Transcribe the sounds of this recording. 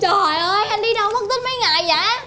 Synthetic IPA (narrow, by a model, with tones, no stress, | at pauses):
t͡ɕɔ˨˩˨jʔəː˧jʔa˧nɗi˧ɗa˨˧˩wm˦˩k̚t̪i˦˥t̚mə˧˦jŋa̰ː˧˨jza̰ː˧˦